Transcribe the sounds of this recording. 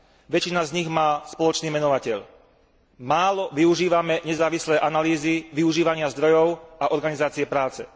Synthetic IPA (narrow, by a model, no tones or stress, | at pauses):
ʋɛt͡ʃinazɲiɣmaːspɔlɔt͡ʃniːmɛnɔʋacɛʎ | maːlɔʋiuʒiːʋamɛɲɛzaːʋislɛːʔanaliːziʋiuʒiːʋaɲɪazd̪ɾɔjɔʊaʔɔɾɡanizaːt͡siɛpɾaːt͡sɛ